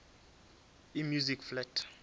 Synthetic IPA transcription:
imjuzikflɛtʰ

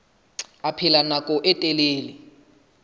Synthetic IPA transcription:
apʰilanakʼɔʔɛtʼɛleːli

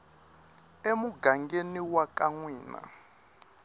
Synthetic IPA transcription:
emuɡaŋɡeniwakaŋwiːna̰

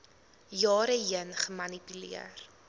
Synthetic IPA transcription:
jɑːɾəjənχəmɐnipylḭər

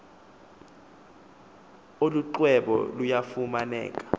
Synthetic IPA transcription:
oluǃwɛɓɔ̰lujafumanɛ̰ːk̬ʼḁ

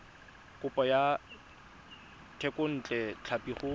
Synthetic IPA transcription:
kʼʊpʼɔja | tʰɛkʼʊn̩ːt͡ɬʼɛt͡ɬʰapʼiχʊ

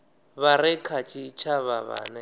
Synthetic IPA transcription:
βaɾɪkʰat͡ʃʼit͡ʃʰaβaβa̰ːnɛ

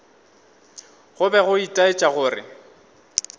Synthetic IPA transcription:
ɣʊbɛɣʊitʼaɪt͡ʃʼaɣʊːrɪ̰

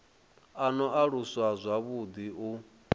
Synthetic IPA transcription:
anɔʔaɺuswazʷaβud̪iʔu

